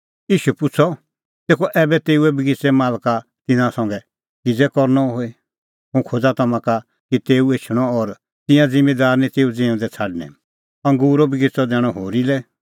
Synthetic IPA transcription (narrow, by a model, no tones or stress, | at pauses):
iːʃuɛpʊt͡sʰɔ | t̪eːkʰɔʔɛːbɛt̪eːuɛbiɡɪt͡sɛmaːlkat̪ɪnãsɔ̃ŋɡɛ | kid͡zɛkɔɾnɔɦoe | ɦũkʰod͡zat̪ɐmãka | kit̪eːuet͡ʃʰɽ̃ɔɔɾ | t̪ɪ̃jãd͡zɪ̃med̪aːɾnĩt̪eːud͡ziɔ̃d̪ɛt͡sʰaːɖnɛ̰ | ɐ̃ŋɡuːɾɔbiɡɪt͡sɔd̪ɛːɽ̃ɔɦoːɾilɛ